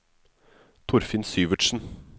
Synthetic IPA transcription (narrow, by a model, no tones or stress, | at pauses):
t̪ʰʊɾfɪnsyːʋəʈʂn̩